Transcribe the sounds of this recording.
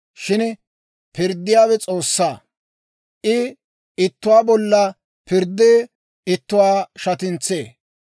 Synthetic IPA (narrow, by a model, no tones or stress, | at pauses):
ʃɪn | pɪɾd̪ːɪjaːwɛt͡sʼo̞ːsːaː | ʔɪ | ɪt̪ːʊwaːbɔlːɐ | pɪɾd̪eː | ɪt̪ːʊwaːʃɐt̪ɪnt͡sːḛː